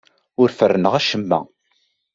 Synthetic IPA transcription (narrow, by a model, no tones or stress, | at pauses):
ʊɾfərːənəʁæʃəmːæ̰